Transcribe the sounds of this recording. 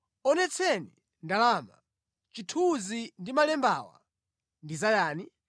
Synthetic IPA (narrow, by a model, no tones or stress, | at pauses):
ɔnɛt͡sʰɛni | ndalaːma̰ | t͡ʃitʰuzindimalɛmbawa̰ | ndizajaːni